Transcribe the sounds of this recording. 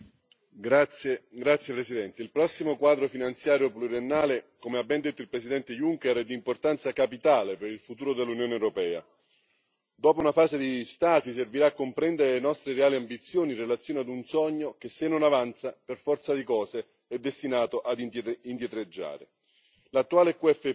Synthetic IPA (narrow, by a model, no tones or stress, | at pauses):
ɡɾat̪sːjepɾesid̪ɛnt̪eilpɾɔsːimokwaːd̪ɾofinant̪sjaːɾjopluɾienːaːlekomeabːɛnd̪et̪ːoilpɾesid̪ɛnt̪ejuŋkɛɾɛd̪ːimport̪ant̪sakapit̪aːlepeɾilfut̪uːɾod̪elːunjoːnewɾopɛːa̰ | d̪ɔːpounafaːsed̪ist̪aːsis̬erviɾaːkːompɾɛnd̪eɾelenɔst̪ɾeɾeaːliambit̪sːjoːninrelat̪sːjoːnead̪unsɔɲːok̟esenːonavant̪saperfɔrt̪sad̪ikɔːse | ɛd̪ːest̪inaːt̪oʔad̪ind̪jet̪ɾed͡ʒːa̰ːɾḛ | lat̪ːuaːlekuɛfe